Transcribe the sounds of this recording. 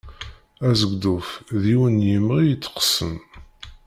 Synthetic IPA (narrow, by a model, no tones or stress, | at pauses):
æzəɡd̪ʊfðiwənjəməʁijət͡sːə̥qə̥səm